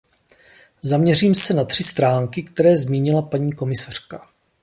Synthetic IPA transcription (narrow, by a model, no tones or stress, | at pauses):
zamɲɛriːmsɛnat̪r̝̥ɪst̪ɾaːŋkɪkt̪ɛɾɛːzmiːɲɪlapaɲiːko̞mɪsar̝̥ka